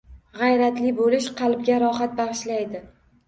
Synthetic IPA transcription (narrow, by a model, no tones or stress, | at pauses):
ʁɑjɾat̪lɪbolɪʃqʰɑlˠb̚ɡʲaɾɒχat̪̚bɑʁɨʃlajd̪ɪ